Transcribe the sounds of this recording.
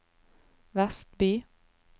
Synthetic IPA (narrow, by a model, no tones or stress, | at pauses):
ʋæst̪̚byː